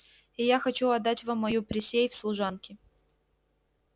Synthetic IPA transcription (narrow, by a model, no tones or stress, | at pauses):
ɪjaxɐt͡ɕuɐd̪ːatʲvamːɐjupɾʲɪsʲejfslˠʊʐankʲɪ